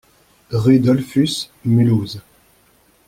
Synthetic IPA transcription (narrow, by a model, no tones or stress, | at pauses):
ʁyd̪ɔlfysmyluːz